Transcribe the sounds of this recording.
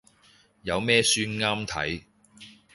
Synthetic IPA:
jɐ˨˧wmɛː˥syː˥nŋaː˥mt̪ʰɐ̰˨˥j

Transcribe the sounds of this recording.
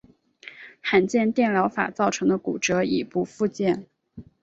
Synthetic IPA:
xa˨˩nt͡ɕjɛ˥˧nt̪jɛ˥˩nljɑ˧˥ʊfa̰˨˩t͡sɑ˥˩ʊʈ͡ʂʰɤ˧˥ŋd̪ə˧kṵ˨˩ʈ͡ʂɤ˧˥i˨˩pu˧˥fu˥˧t͡ɕjɛ˥˩n

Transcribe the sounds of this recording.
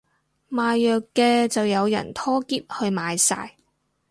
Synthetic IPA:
maː˨jːœː˨kːɛː˧t͡sɐ˨wjɐ˨˧wjɐ̰˨˩nt̪ʰɔː˥kiː˥p̚hɵ˧ɥmaː˨˧jsa̰ː˧j

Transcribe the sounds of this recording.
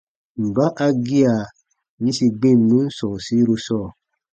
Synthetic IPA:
m̩˨ba˦ʔa˧ɡi˦a˨ | ɲĩ˦si˧ɡ͡bẽ˦˨nũ˦sɔ̃˨si˨˦ɾu˧sɔ˦˨

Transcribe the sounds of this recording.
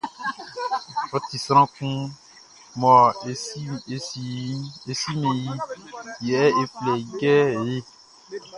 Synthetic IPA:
fɔ˦ti˨sɾ̃ã˦kũ˦ | mɔ̃˨˦ | e˨e˨si˦mẽ˨ji˦jɛ˨˦e˨plɛ˨ɡɛ˦˨je˦

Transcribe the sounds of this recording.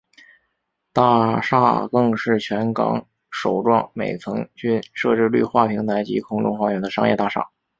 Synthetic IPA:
t̪a˥˧ʂa̰˥˧kɤ˥˧ŋʂɻ̩˥˩t͡ɕʰɥɛ˧˥nkɑ̰˧˥ŋ | ʂo˨˩ʊʈ͡ʂwɑ˥˩ŋmḛ˨˩ɪt͡sʰɤ˧˥ŋt͡ɕy˥nʂɤ˥˧ʈ͡ʂɻ̩˥˧ly̰˥˧xwa˥˩pʰi˧˥ŋt̪ʰa˧˥ɪt͡ɕḭ˧˥kʰʊ˥ŋʈ͡ʂʊ˥˧ŋfwa˥˩ɥɛ˧˥nd̪ə˧ʂɑ˥ŋjɛ̰˥˧t̪a˥˩ʂa̰˥˩

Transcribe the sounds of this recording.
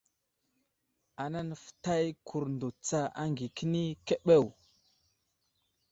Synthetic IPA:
a˨na˦n˨fə̥˨ta˦jkʰu˨ɾndo˨t͡sa˦a˦ŋɡi˨ki˦ni˦ke˦ɓe˦˨w

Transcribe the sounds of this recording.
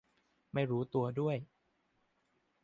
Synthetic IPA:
ma˥˩jɾuː˦˥t̪u˧ɐdu˥˩əj

